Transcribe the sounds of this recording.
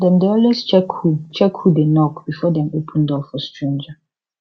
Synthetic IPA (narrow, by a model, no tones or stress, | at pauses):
dɛ̃mdeɔlwest͡ʃɛkut͡ʃʰɛkʰhudenɔkb̥ifɔdɛ̃mopʰə̃ndɔfɔstɹẽnd͡ʒa